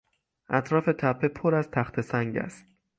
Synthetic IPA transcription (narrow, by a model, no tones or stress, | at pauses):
ʔæt̪ʰɾɒːfe̞t̪ʰæpʰːepʰoɾæzt̪ʰæxt̪ʰe̞sæŋɟæ̰st̪